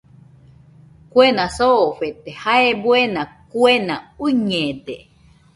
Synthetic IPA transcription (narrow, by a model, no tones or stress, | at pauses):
kwenãsoːɸet̪ehaebwenãkwenãuɲẽd̪e